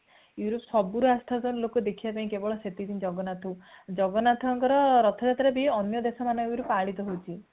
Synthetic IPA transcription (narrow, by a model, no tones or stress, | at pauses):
juɾɔpsɔbuɾuast̪ʰazɔnlokɔd̪ekʰibapaĩkebɔɭɔset̪id̪ind͡ʒɔɡɔnat̪ʰud͡ʒɔɡɔnat̪ʰɔŋkɔɾɔɾɔt̪ʰɔd͡ʒat̪ɾabiɔnjɔd̪esɔmanɔŋɾupaɭit̪ɔɦowt͡ʃʰi